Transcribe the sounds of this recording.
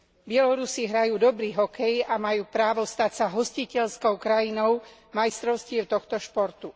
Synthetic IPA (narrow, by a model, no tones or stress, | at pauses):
bɪɛlɔɾusiɦɾajuːd̪ɔbɾiːɦɔkɛjamajuːpɾaːʋɔst̪acsaɦɔscicɛʎskɔʊkɾajinɔʊmajst̪ɾɔʊscɪɛʊt̪ɔxt̪ɔʃpɔɾt̪u